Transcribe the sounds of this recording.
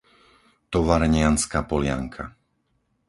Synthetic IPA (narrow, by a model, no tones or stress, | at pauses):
t̪ɔʋaɾɛɲɪanskaːpɔlɪa̰ŋkʰa